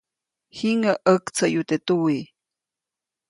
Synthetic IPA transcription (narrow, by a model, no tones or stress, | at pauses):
hiŋaʔəkt͡sʰajut̪et̪uwi